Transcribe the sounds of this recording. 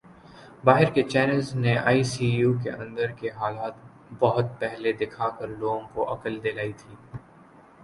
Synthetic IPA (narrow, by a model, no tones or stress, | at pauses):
baːɦɪɾket͡ʃɛːnəlzneʔa̰ːisiːjuːk̬eʔɐ̰̃nd̪əɾkeɦaːlaːt̪ | bɐɦʊt̪̚pɛɦled̪ɪkʰakəɾloːɡõkoʔɐkəld̪elaːit̪ʰiː